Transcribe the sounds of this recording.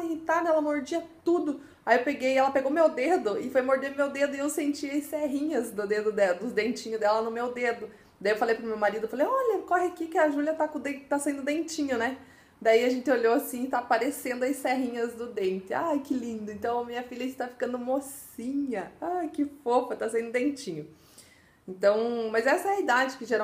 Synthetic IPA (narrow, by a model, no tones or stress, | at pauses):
it̪ad̪ɛlɐmoɾd͡ʒiɐt̪ud̪ʊ | ajiewpeɡejɛlɐpeɡowmewd̪ed̪ʊɪfojmoɾd͡ʒeɾmewd̪ed̪ʊɪewsẽnt͡ʃiɐjsfɛɦĩɲɐzd̪ʊd̪ed̪ʊd̪ɛɐd̪ʊd̪ẽnt͡ʃĩɲʊd̪ɛlɐnʊmewd̪ed̪ʊ | d̪aiewfalejpɾʊmewmaɾid̪ʊfalejɔʎɐkɔɦɪakɪkɪɐʒuliɐt̪akõd̪ẽt̪asaĩnd̪ʊd̪ẽnt͡ʃĩɲʊnɛ | d̪aiɐʒẽnt̪ɪoʎoasĩɪt̪apaɾesẽnd̪ʊɐjsfɛɦĩɲɐzd̪ʊd̪ẽnt̪ɪa̰jkɪlĩnd̪ʊẽnt̪ɐ̃w̃ɐmĩɲɐfiʎɐɪst̪afi̥kɐ̃nd̪ʊmos | ĩɲɐajkɪfofɐt̪asaĩd̪ʊd̪ẽnt͡ʃĩɲʊ | ẽnt̪ɐ̃w̃mɐzɛsɐɛɐid̪ad͡ʒɪkɪʒeɾa